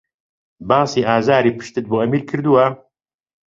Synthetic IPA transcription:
bɑːsiːʔaːzaːɾiːpɨ̥ʃt̪ɨt̪̚boːʔɐmiːɾkʰɨɾd̪uwɐ

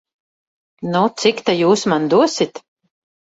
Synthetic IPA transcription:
nut̪sikt̪ajuːsmand̪uɔsit̪

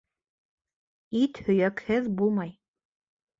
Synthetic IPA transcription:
it̪hɵ̆jækhɘðbulˠmɑj

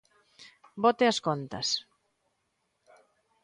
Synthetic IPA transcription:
bot̪eɐskont̪ɐ̰s

